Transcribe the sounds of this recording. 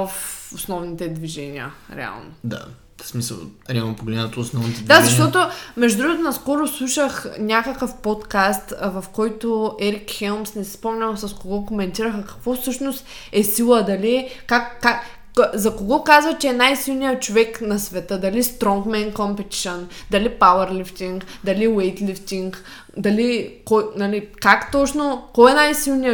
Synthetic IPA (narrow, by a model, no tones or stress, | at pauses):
ɐfosnɔvnit̪ɛd̪viʒɛnʲiə̰ɾɛ̰a̰lˠno̰d̪a̰ | smisə̰lˠɾʲapoɡlɛnət̪oːsnɔvnit̪ɛd̪azɐʃt̪ɔt̪omɛʒd̪ʊd̪ɾuɡʊt̪onɐskɔɾʊslˠuʃəxnʲakəkəfpɔt̪kast̪vɐfkɔjt̪oɛɾikxɛlˠmsnɛsɛspɔmnʲəlˠsɐskoɡɔkomɛnt̪iɾəxəkɐ̥kvɔfsɤʃnost̪ | ɛsilˠəd̪ɐliɛkakːak | zɐkoɡɔkazvɐt͡ʃɛɛnajsilˠnijət͡ʃovɛknɐsvɛt̪əd̪ɐlist̪ɾɔŋkmɛnkompɛt̪i̥ʃond̪ɐlipawəɾlift̪iŋkd̪ɐliwɛjt̪lift̪iŋk | d̪ɐlikɔnɐlikakt̪ɔt͡ʃnokɔɛnajsilˠnijə